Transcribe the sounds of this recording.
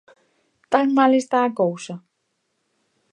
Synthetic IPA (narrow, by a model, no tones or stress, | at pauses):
t̪aŋmalest̪aːkowsɐ